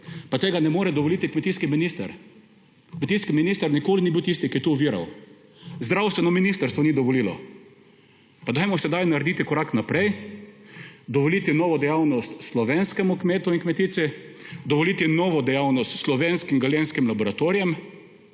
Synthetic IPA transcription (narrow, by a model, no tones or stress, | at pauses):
pat̪eːɡanɛmoːɾɛd̪ɔʋɔlit̪ikmɛt̪iːskiminist̪a̰ɾ | kmɛt̪iskiminist̪aɾnikoːlinibiwt̪ist̪ikiɛt̪uʋiːɾa̰w | zd̪ɾawst̪ʋɛnɔminist̪ɐɾst̪ʋɔnid̪ɔʋɔliːlɔ̰ | pad̪ajmɔsɛd̪ajnaɾd̪iːt̪ikɔɾaknapɾɛj | d̪ɔʋɔlit̪inɔːʋɔd̪ɛjawnɔst̪slɔʋenskɛmʊkmeːt̪ʊiŋkmɛt̪iːsɛd̪ɔʋɔliːt̪inɔːʋɔd̪ɛjawnɔst̪slɔʋenskiŋɡalenskimlabɔɾat̪oɾijɛm